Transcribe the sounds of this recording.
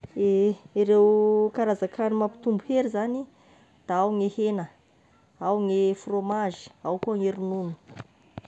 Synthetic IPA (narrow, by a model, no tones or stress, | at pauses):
eiɾewkaɾazakʰanimapi̥t̪umbuheɾizani | d̪̥aawŋehenə | awŋefromaʒi̥awkuaŋeɾununu̥